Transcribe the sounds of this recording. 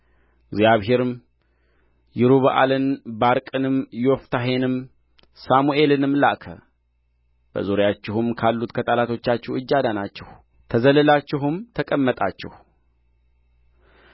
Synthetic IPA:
ɡzijaβɦe̞ɾɨm | jɪɾuβəʔa̰lɨnbaɾkʼɨnɨmjoft̪ʰaɦe̞nɨm | samuʔe̞lɨnɨmːla̰ʔkʰə̰ | b̥ə̰zoɾjat͡ʃːɪhumkʰalːut̪kʰət̪ʼalat̪ʰo̞t͡ʃːat͡ʃːɛwɨd͡ʒːad̪anat͡ʃːɪh | t̪ʰəzəlɨlat͡ʃːɪɦɨmt̪ʰəkʼəmːət̪ʼa̰t͡ʃːɪ̰h

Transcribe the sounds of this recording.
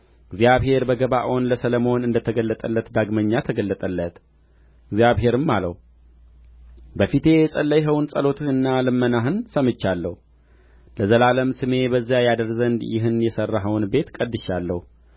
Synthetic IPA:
ɨɡzijaβɦe̞ɾbəɡəβaʔo̞nləsələmo̞nɨnd̪ət̪ʰəɡəlːət̪ʼəlːət̪d̪aɡməɲːat̪ʰəɡəlːət̪ʼəlːət̪ | ɡzijaβɦe̞ɾɨmːalə̰h | bəfit̪ʰe̞jɛsʼəlːəjɦəwnsʼəlo̞t̪ʰɨnːalɨmːənaɦɨnsəmɨt͡ʃːalːəhu | ləzəlaləmsɨme̞bəzːjajad̪əɾzənd̪jɪ̰ɦɨnjɛsərːaɦəwnbe̞t̪kʼəd̪ːɨʃalːəhu

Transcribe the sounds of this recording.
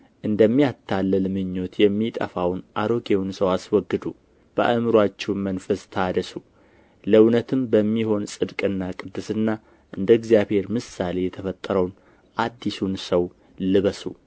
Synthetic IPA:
ʔɨnd̪əmːijat̪ʰːalːəlmɨɲːo̞t̪jɛmːit̪ʼə̰fawnʔaɾo̞ɡʼewnsəwaswɔɡːɨd̪u | b̥ə̰ʔəmɨɾwat͡ʃːɛwmənfəst̪ʰad̪əsu | ləwnət̪ʰɨmbəmːiho̞nsʼɨd̪kʼɨnːakʼɨd̪ːɨsɨnːa | ʔɨnd̪əɡzijaβhe̞ɾmɨsale̞jɛt̪ʰəfət̪ʼːəɾəwn | ʔad̪ːisunsəw | lɨβəsṵ

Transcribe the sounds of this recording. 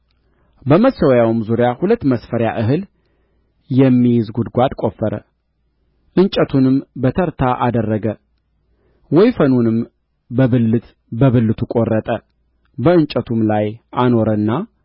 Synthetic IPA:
bəməsəwjawɨmzuɾjahulət̪ːməsfəɾja̰ʔɨɦɨl | jɛmːijɪzɡud̪ɡʷad̪kʼo̞fəɾə̰ | ʔɨnt͡ʃʼət̪ʰunɨmbət̪ʰəɾt̪ʰaʔad̪ərːəɡə | wɔjfənunɨm | bəβɨlːɨt̪ | bəβɨlːɨt̪ʰukʼo̞rːət̪ʼə | bəɨnt͡ʃʼət̪ʰumlajʔano̞ɾənːa

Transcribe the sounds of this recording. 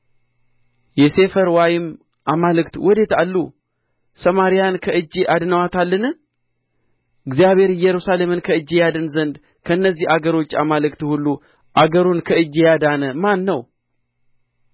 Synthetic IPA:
jɛse̞fəɾwajɪm | ʔamalɨkt̪wɔd̪e̞t̪alːu | səmaɾijankʰəɨd͡ʒːiʔad̪nəwat̪ʰalːɨnɨ | ɨɡzijaβe̞ɾɨjːɛɾusale̞mɨnkʰəɨd͡ʒːjad̪ɨnzənd̪ | kʰəɨnːəzːihaɡəɾo̞t͡ʃːa̰malɨkt̪hulːu | ʔaɡəɾunkʰəɨd͡ʒːjad̪anəmanːəw

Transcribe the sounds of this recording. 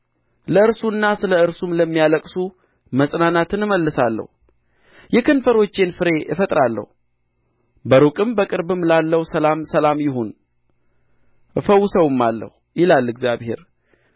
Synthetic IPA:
ləɨɾsunːasɨləɨɾsumləmːijaləkʼsu | məsʼnanat̪ʰɨnɨməlːɨsalːə̰hu | jɛkʰɨnfəɾo̞t͡ʃːe̞nfɨɾe̞ʔɨ̰fət̪ʼɾalːə̰hu | bəɾukʼɨmbəkʼɨɾbɨmlalːəwsəlamsəlamjɪhon | fəwːʊsəwɨmːalːə̰hujɪlalːɨɡzjaβhe̞̰ɾ

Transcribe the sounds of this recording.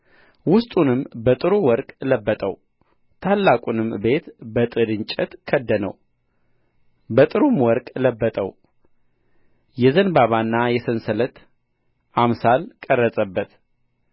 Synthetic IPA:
wʊst̪ʼunɨmbət̪ʼɨɾuwɔɾkʼləbːət̪ʼəw | t̪ʰalːakʼunɨmbe̞t̪bət̪ʼɨd̪ɨɲt͡ʃʼɛt̪kʰəd̪ːənə̰w | bət̪ʼɨɾumwɔɾkʼləbːət̪ʼəw | jɛzənbaβanːajɛsɨnsələt̪ | ʔamsalkʼərːəsʼəbːət̪

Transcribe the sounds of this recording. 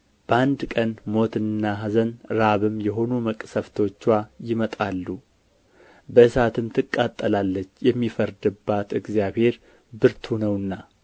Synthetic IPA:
b̥əand̪kʼənmo̞t̪ɨnːaɦazənɾaβɨmjɛɦo̞numəkʼsəft̪ʰo̞t͡ʃːwajɪmət̪ʼalːu | bəɨsat̪ʰɨmt̪ʰɨkʼːat̪ʼːəlalːət͡ʃːjɛmːifəɾd̪ɨbːat̪ɨɡzjaβhe̞ɾ | bɨɾt̪ʰunəwɨnːa

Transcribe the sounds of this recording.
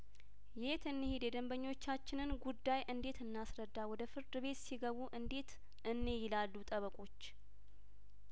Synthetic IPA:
jet̪ɨnːɨhid̪jɛd̪əmbəɲːo̞t͡ʃːat͡ʃːɪnɨnɡud̪ːajʔɨnd̪e̞t̪ɨnːasɾəd̪ːawɔd̪əfɨɾd̪ɨβe̞t̪siɡəβuʔɨnd̪e̞t̪ | ʔɨnːe̞jɪlalːut̪ʼəβəkʼo̞t͡ʃː

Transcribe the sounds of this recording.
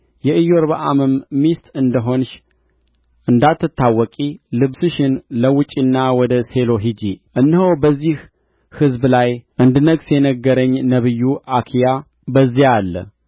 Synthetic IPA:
jɛʔɨjoɾβaʔa̰mɨmːist̪ɨnd̪əɦo̞nʃ | ʔɨnd̪at̪ʰːɨt̪ʰːawːɔkʼilɨβsɨʃɪnləwɨt͡ʃʼinːawɔd̪əse̞lo̞ɦid͡ʒiʔɨnːhəwbəzːih | hɨzblajʔɨnd̪ɨnəɡsjɛnəɡːəɾəɲːnəβɨjːuʔakʰija | bəzːialːə̰

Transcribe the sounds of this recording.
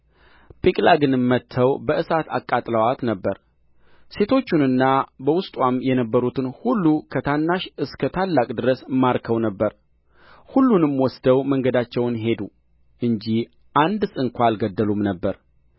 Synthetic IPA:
pʰikʼlaɡɨnɨmmːət̪ʰːəwbəʔɨsat̪ʰa̰kʼːat̪ʼləwat̪nəbːəɾ | se̞t̪ʰo̞t͡ʃːunɨnːabəwʊst̪ʼwamjɛnəbːəɾut̪ʰɨnhulːukʰət̪ʰanːaʃɨskʰət̪ʰalːakʼd̪ɨɾəsmaɾkʰəwnəbːəɾ | hulːunɨmwɔsd̪əwməŋɡəd̪at͡ʃːɛwnɦe̞d̪u | ʔɨɲd͡ʒi | ʔand̪sʼɨŋkʷaalɡəd̪ːəlumnəbːəɾ

